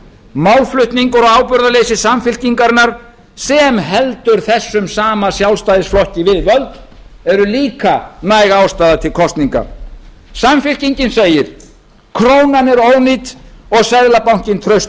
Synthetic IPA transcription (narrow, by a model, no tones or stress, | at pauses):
mawlflʏht̪niŋkaɾɔaːwpʏɾðalejsɪsamfɪl̥ciŋkaɾnaɾ̥ | sɛmɦɛlt̪ʏɾ̥θɛsːʏmsaːmasjawlst̪aːjðɪsflɔhcɪvɪðvœlt̪ɛɾʏliːkanajɣaaːwst̪aːðat̪ʰɪlkʰɔst̪niŋka̰ | samfɪl̥ciɲcɪnseːjɪɾ̥ | kʰɾoːwnanɛɾoːwnit̪ɔɣsajðlapawɲ̥cɪnt̪ʰɾœɥst̪